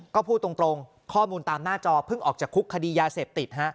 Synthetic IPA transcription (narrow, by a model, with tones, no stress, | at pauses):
kɔː˥˩pʰuː˥˩t̪ːɾo˧ŋt̪ɾo˧ŋ | kʰɔː˥˩muː˧nt̪aː˧mnaː˥˩t͡ɕɔː˧pʰɯ˥˩ŋʔɔː˨˩k̚t͡ɕaː˨˩kʰːu˦˥kʰːa˧diː˧jaː˧seː˨˩p̚t̪i˨˩t̪̚ɦa˦˥ʔ